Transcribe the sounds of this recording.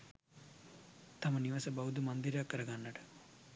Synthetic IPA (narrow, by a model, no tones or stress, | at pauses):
t̪ɐmɐniʋɐsɐbɐɦud̪umɐnd̪iɾaːkːɐɾɐɡanːɐʈ